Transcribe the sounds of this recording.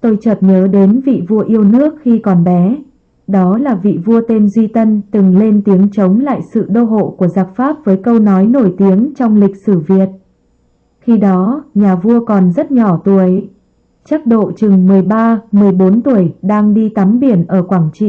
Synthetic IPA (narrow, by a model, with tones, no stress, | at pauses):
t̪o˧jt͡ɕəː˨˩t̚ɲəː˨˦ɗe˨˦nvḭ˧˨vu˧əʔi˧əwnɨ˦˥ək̚xi˧kɔ˨˩nɓɛ˨˦ | ɗɔ˨˦laː˨˩vḭ˧˨vu˧ət̪e˧mzwi˧t̪ə˧nt̪ɨ˨˩ŋle˧nt̪i˨˦əŋt͡ɕə˨˦wŋ͡mla̰ː˧˨jsɨ̰˧˨ɗo˧ɦo̰˧˨ku˧˩əzaː˨˩k̚faː˦˥p̚vəː˨˦jkə˧wnɔ˨˦jno˧˩jt̪i˨˦əŋt͡ɕɔ˧wŋ͡mlï˨˩k̟̚sɨ˧˩vi˨˩ət̚ | xi˧ɗɔ˨˦ɲaː˨˩vu˧əkɔ˨˩nzə˦˥t̚ɲɔ˧˩t̪u˧˩ʔə˨˦j | t͡ɕa˦˥k̚ɗo̰˧˨t͡ɕɨ˨˩ŋmɨ˨˩əjɓaː˧mɨ˨˩əjɓo˨˦nt̪u˧˩əjɗaː˧ŋɗi˧t̪a˨˦mɓi˧˩ənʔəː˧˩kwaː˧˩ŋt͡ɕḭ˧˨